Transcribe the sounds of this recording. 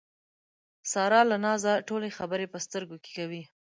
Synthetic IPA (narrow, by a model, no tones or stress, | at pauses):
sɑɾɑlanɑzaʈolexabəɾepəst̪əɾɡoke̥kawi